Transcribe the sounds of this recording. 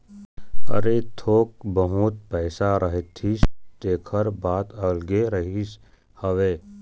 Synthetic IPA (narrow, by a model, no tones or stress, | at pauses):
ɐ̰ɾet̪ʰoːk̚bəɦʊt̪̚pɛːɪsaɾəɦet̪ʰit̪eːkʰəɾbaːt̪əlɡeɾəɦis | həʋeː